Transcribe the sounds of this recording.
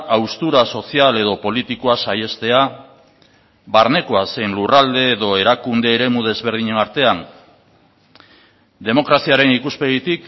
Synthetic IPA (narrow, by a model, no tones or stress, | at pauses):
awst̪uɾaso̞siale̞ð̞o̞po̞lit̪ikoasaje̞st̪e̞a | βaɾne̞koase̞jnlurald̪e̞ːðo̞e̞ɾakund̪e̞ːɾe̞muð̞e̞zβeɾð̞iɲe̞naɾt̪e̞an | d̪e̞mo̞kɾasiaɾe̞nikuspeɣit̪ik